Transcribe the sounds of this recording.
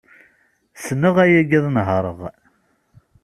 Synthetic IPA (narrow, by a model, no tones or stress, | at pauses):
snːəʁæjæɡiðˤnɦəɾˤəʁ